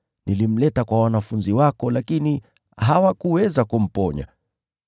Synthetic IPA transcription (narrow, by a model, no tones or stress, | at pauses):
nilim̩lɛtakwawanafunziwakɔlakini | ɦawakuwɛzakum̩pɔɲa̰